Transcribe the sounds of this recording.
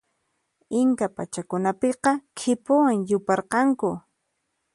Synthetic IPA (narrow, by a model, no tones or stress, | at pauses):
ɪŋkapat͡ʃakʊnapeqɑkʰɪpʊwaŋjʊpɑɾqɑŋkʊ